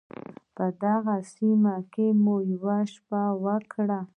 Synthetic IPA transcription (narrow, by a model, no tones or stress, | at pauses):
pəd̪aɣasimakemujwaʃpawəkʰɽa